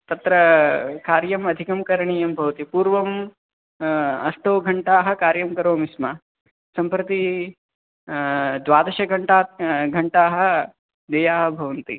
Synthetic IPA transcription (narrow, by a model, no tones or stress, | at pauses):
t̪ɐt̪ɾɐkaːɾjɐmɐd̪ʱikɐmkɐɾɐɳiːjɐmbʱɐʋɐt̪ipuːɾʋɐm | ɐsʈoːɡʱɐɳʈaːɦɐ̆kaːɾjɐmkɐɾoːmisma | sɐmpɾɐt̪i | d̪ʋaːd̪ɐʃɐɡʱɐɳʈaːɡʱɐɳʈaːɦɐ̆ | d̪ɐjaːɦɐbʱɐʋɐnt̪ḭ